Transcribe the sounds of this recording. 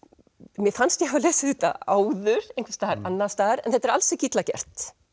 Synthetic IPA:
mjɛfanst̪jɛɦaleːsɪɪt̪a̰aːwðʏɾ̥ejŋkfast̪aːɪɾanːast̪aːðɪɾɛnθɛt̪ːɛɾalsɛcit̪lacɛ̰r̥t̪

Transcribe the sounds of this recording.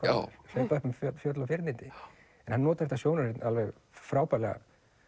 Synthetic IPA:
aʏ̰ɾ̥sɛpœhpʏmffjœt̪lawfjɪɾt̪nɪnt̪ɪ | ɛnhanːɔːt̪aɾɛt̪asjownaɾɪt̪nalvɛɣ | fɾaːwpalɛɣa̰

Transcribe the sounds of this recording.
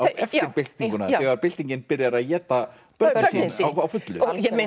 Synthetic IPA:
aɛftɪɾpɪl̥t̪niŋkʏnaɛɣaɾpɪl̥t̪iɲcɪnpɪɾjaɾaðjɛːt̪a | pœawawfʏt̪lʏ̰jɛe

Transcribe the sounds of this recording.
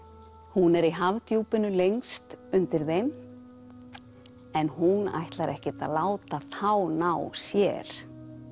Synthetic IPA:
hunɛɾiɦavt̪juːpɪnʏlejŋst̪ʏnt̪ɪɾðejm | ɛnhuna̰jht̪laɾʔɛhcɪt̪a̰laːwt̪aθawnawsjɛ̰ɾ̥

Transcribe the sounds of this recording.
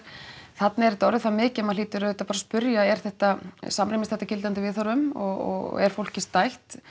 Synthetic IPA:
θat̪nɪɛɾɛt̪ɔɾɪθamɪːcɪɛmaðliːt̪ʏɾœːðɛt̪apaɾaspʏɾjaɛɾ̥θɛht̪asamɾɪjmɪsθɛht̪ːacɪlt̪ant̪ɪvɪðθaɾʏmɔɣɔ̰ɣ̰ɛ̰ɾ̥fowl̥cɪst̪ajht̪

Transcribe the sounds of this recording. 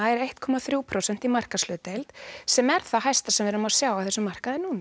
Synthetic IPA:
aɛɾejht̪kʰɔmaθɾjuːwpʰɾowsɛn̥t̪imar̥kaslœːt̪ejlt̪sɛmɛɾ̥θaɦajst̪asɛmvɛːɾʏmasjaːwaθɛsːʏmar̥kaðɪnuːna

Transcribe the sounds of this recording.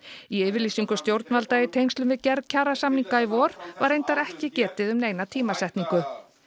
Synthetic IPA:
iɛːvɪɾliːsiŋkʏst̪jowɾt̪nvalt̪aɪt̪ʰejnst̪lʏmvɪðcɛɾcʰaːrasamniŋkaivɔːɾvaɾejnt̪aɾɛhcɪcɛːt̪ɪðʏmneːjnat̪ʰiːmasɛht̪niŋkʏ

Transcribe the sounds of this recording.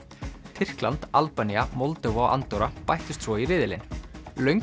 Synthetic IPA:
t̪ʰɪr̥klant̪alpaniamɔlt̪ɛvɔʔa̰nt̪ɔwɾapajht̪ʏst̪svɔirɪːðɪlɪ̰nlœɥŋ

